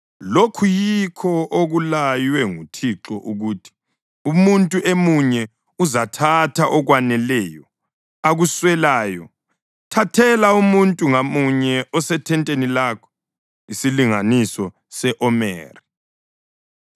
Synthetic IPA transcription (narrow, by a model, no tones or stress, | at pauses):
lokʰujikʰɔʔoɣulajwɛŋutʰiǁɔʔuɣuːtʰi̥ | umuntʼuʔemuɲɛ | uzatʰatʰaʔɔɣwanɛlɛːjɔ | aɣuswɛlaːjɔ | tʰatʰɛlaumuntʼuŋamuɲɛɔsɛtʰɛntʼenilaːkʰɔ̥ | isiliŋa̰nisɔ | sɛʔɔmɛ̰ːri